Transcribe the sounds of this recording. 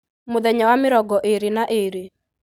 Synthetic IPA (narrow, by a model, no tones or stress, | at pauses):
moðɛɲawamɪɾɔɡɔʔeɾenaʔeɾe